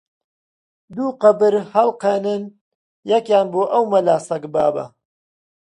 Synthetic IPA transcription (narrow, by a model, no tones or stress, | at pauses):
d̪uːqɐbɨɾhɐlqenɨn | jɐkjaːnboːʔɐwmɐlaːsɐkbaːbɐ̰